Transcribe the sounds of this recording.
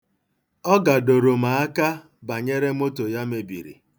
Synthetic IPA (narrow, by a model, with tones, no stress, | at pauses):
ɔ˦ɡa˨do˨ɾo˨ma˨a˦ka˦ | ba˨ɲe˦ɾe˦m̩˦o˦to˨ja˦me˨bḭ˨ɾḭ˨